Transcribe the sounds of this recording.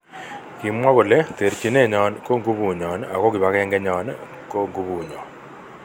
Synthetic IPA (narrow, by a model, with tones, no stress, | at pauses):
ki˨mwa˦βo˨le˦t̪e˨ɾt͡ʃi˨ne˦˨ɲɔ˨nko˦ŋɡu˦βu˨ɲɔ˨na˨ko˦kɪ˨βa˨kɛ˦ŋɡɛ˦ɲɔ˨n | ko˦ŋɡu˦βu˨ɲɔ˨n